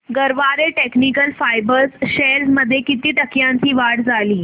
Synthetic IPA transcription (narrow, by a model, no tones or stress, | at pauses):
ɡəɾʋaɾeʈeknikəlfajbəɾsɕeɾsməd̪ʱːjekit̪iːʈəkjãɲt͡ɕiːʋaɽd͡zʱaliː